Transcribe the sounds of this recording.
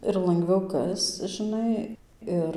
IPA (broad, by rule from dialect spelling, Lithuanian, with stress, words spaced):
ɪr lˠɐŋɡˈʋʲɛʊ ˈkɐst͡s ʒɨˈnɐɪ ˈɪr